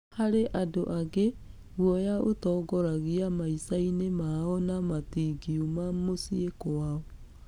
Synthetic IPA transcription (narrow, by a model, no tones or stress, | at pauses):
haɾeʔadoʔaɣe | ɣwɔjaʔotɔːɡɔɾaɣiamaisainemaɔnamatiɡiumamosiekɔwaɔ